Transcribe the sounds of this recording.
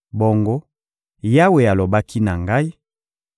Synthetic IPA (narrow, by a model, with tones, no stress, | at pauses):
bo˨ŋɡo˦ | ja˦we˨a˨lo˨ba˦kʰi˦na˨ŋɡa˦i˦